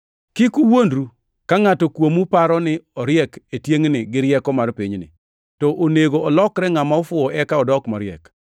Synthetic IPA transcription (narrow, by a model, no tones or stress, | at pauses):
kɪkuwondɾu | kaŋatɔkwomupaɾɔnɪɔɾjɛketjeŋnɪɡɪɾjɛkɔmarpiɲnɪ̰ | tɔʔoneɡoːlɔkɾɛŋamaɔfʊɔʔɛkaɔdɔkmɔɾjɛ̰k